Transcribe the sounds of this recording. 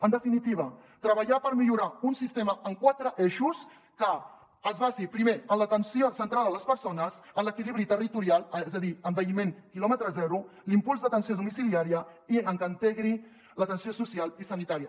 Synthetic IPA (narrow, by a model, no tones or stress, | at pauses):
ənd̪əfinit̪iβ̞ət̪ɾəβəʎapəɾmiʎuɾaunsist̪eməəŋkwat̪ɾəʔeʃus | kəː | zβazipɾimeənlət̪ənsiosənt̪ɾalˠd̪ələspəɾsonəzənləkiliβɾit̪ərit̪uɾialˠɛzəðiəmbəimeŋkilɔmət̪ɾəzɛɾulimpulˠzðət̪ənsioðumisiliaɾiəiəŋkənt̪ɛɣɾi | lət̪ənsiosusialˠisənit̪aɾiə